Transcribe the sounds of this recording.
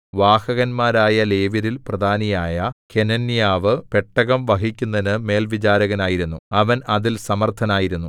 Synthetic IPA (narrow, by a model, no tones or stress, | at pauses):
ʋaːhɐɣɐnmaːɾaːjɐle̞ːʋiɾilprɐd̪ʱaːnijaːjɐke̞nɐnːijaːʋɨpe̞ʈːɐɣɐmʋɐɦikʲːunːɐnɨme̞ːlʋit͡ɕaːɾɐɣɐnaːjiɾunːuɐʋɐnɐðilsɐmɐrt̪ʰɐnaːjiɾunːu